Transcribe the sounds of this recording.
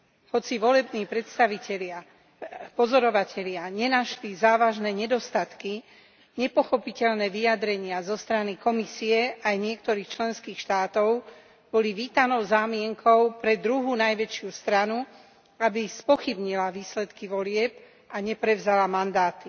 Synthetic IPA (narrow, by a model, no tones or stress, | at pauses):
hɔt͡siʋɔlɛbniːpɾɛt̪st̪aʋicɛlɪa | pɔzɔɾɔʋacɛʎɪaɲɛnaʃlizaːʋaʒnɛːɲɛd̪ɔst̪at̪ki | ɲɛpɔxɔpicɛlnɛːʋijad̪ɾɛɲɪazɔst̪ɾanikɔmisiɛajɲɪɛkt̪ɔɾiːxt͡ʃlɛnskiːxʃt̪aːt̪ɔʊ | b̥ɔliʋiːt̪anɔʊzaːmɪɛŋkʰɔʊpɾɛd̪ɾuɦunajʋɛt͡ʃɪust̪ɾanu | abispɔxibɲilaʋiːslɛt̪kiʋɔlɪɛp̚ | ʔaɲɛpɾɛʋzalamand̪aːt̪i